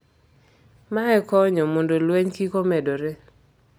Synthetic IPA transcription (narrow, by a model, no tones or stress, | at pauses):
maɛkɔɲɔmondolweɲkikomɛdoɾe